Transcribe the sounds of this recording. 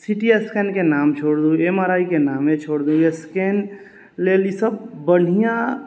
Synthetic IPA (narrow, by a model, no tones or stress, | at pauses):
siʈieskenkenaːmt͡ʃʰoɽd̪ũeməɾaːikenaːmẽt͡ʃʰoɽd̪ũesken | leːlisəbːəɽ̤ijã